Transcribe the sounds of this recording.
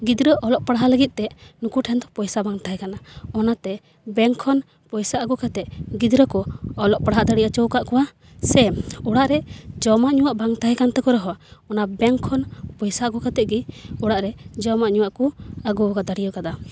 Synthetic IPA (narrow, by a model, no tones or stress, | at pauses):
ɡid̪ɾəʔɔlɔʔpaɽaɦaləɡit̪̚ˀt̪ɛnukuʈʰɛnd̪ɔpɔjsabaŋt̪aɦɛkanaɔnat̪ɛ | bɛŋkʰɔn | pɔjsaʔaɡɔkat̪ɛʔ̚ɡid̪ɾəkɔɔlɔʔ̚paɽaɦaʔd̪aɽijat͡ʃɔwkaʔkɔwa | sɛɔɽaʔɾɛd͡ʒɔmaʔɲuwaʔbaŋt̪aɦɛkant̪ɛkɔɾɔɦɔɔnabɛŋkʰɔnpɔjsaɡɔkat̪ɛʔɡiɔɽaʔɾɛd͡ʒɔmaʔɲuwaʔkuaɡuɔkad̪aɽijɔkad̪a